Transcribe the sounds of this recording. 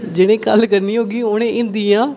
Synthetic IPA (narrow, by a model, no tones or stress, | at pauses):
d͡ʒɪɽ̃ẽːkəlkəɾniːɦoːɡiːʊnẽːʔɪ̃nd̪iːãː